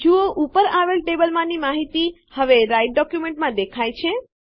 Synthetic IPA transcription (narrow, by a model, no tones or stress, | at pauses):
d͡ʒuoʔupəɾaʋelʈebəlmãnimaɦit̪i | həʋeɾajʈ̚ɖɔkjumẽɳʈmãd̪ekʰajt͡ʃʰe